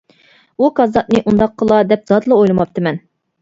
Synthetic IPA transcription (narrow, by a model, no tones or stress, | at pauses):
ukʰɑzɑt̪̚nɨʔund̪ɑqʰːəlˠɑd̪ɛp̚z̥ɑd̪ɨlˠəojlˠɨmɑp̚t̪ʰɨmɛn